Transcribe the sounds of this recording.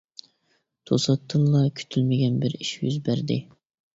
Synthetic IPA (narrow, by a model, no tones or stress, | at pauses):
t̪ʰosɑt̪ʰːɨnlˠɑkʲʰy̥t̪ʰylmɪɡʲɛnbɪɾiʃjy̰zbæɾd̪ɪ̰